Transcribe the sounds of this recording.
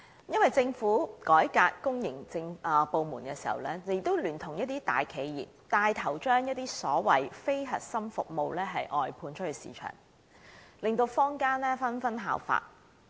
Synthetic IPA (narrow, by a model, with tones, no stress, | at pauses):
jɐ˥nwɐ˨˩jt͡sɪ˧ŋfuː˨˥kɔː˨˥jkaː˧kkːʊ˥ŋjɪ˨˩ŋt͡sɪ˧ŋː˨po˨˧wmuː˨˩nkɛː˧siː˨˩hɐ̰˨˩wlɛː˥e˧jɪ˨k̚t̪ːo˥wlyː˨˩nt̪ʰʊ˨˩ŋjɐ˥t̚t̪iː˥t̪a̰ː˨jkʰe˨˧jjḭː˨˩p̚t̪aː˨˧jt̪ʰɐ˨˩wt͡ʃœː˥ŋjɐ˥t̚t̪iː˥sɔː˨˥wɐ̰˨jfe˥jɦɐ̰˨t̚sɐ˥mfʊ˨k̚mo˨˧wlɛː˥ɦɐ˨jʔɔː˨jpʰuː˧nt͡ʃʰthɵ˨˩sḭː˨˧t͡ʃʰœ̰ː˨˩ŋ | lɪ˨ŋt̪o˧wfɔː˥ŋkaː˥nlɛː˥fɐ˥nfɐ˥nɦa̰ː˨˧wfa̰ː˧t̚